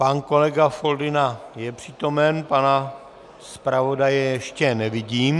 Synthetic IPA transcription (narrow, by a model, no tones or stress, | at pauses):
panko̞lɛɡafo̞ldɪnajɛpr̝̥iːt̪o̞mɛnpana | spɾavo̞dajɛjɛʃcɛnɛvɪɟiːm